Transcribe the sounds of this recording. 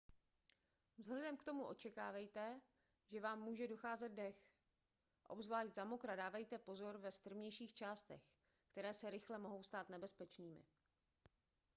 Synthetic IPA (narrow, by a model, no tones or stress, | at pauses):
vzɦlɛdɛmkt̪o̞muʔo̞t͡ʃɛkaːvɛjt̪ɛ | ʒɛvaːmːuːʒɛdoxaːzɛd̪̚dɛx | ʔo̞̰bzvlaːʃt̪zamokɾadaːvɛjt̪ɛpo̞zo̞ɾvɛst̪r̩vɲɛjʃiːxt͡ʃaːst̪ɛ̰x | kt̪ɛɾɛːsɛɾɪxlɛmo̞ɦo̞wst̪aːt̪nɛbɛspɛt͡ʃniːmɪ̰